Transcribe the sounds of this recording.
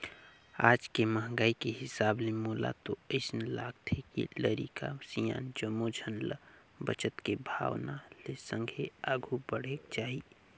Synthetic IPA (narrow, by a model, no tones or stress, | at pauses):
aːd͡ʒkeməɦɡaːikeɦɪsaːblemoːla̰t̪oəɪsnlaːɡt̪ʰekḭləɾḭka̰sijã̰ːnd͡ʒəmːod͡ʒʱənl | bət͡ʃət̪kebʱa̰ːwnalesə̃ŋɡʱeaːɡʱubəɽ̤eːkt͡ʃaːɦi